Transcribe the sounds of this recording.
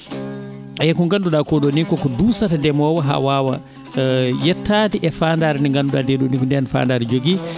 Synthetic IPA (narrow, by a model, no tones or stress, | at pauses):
ajɛkɔŋɡanduɗakɔɗonikɔkɔdusatadɛmɔwaɦa̰waːwa̰ | jɛtːatiʔɛfandaːɾɛniŋɡanduɗa̰deɗunikndɛnfa̰ndaːɾɛd͡ʒoɡi